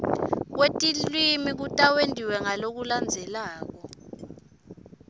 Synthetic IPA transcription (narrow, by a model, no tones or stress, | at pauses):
k̬wetʼilwimik̬utʼawendʱiwɛŋalok̬uland͡zʱɛlaːk̬ɔ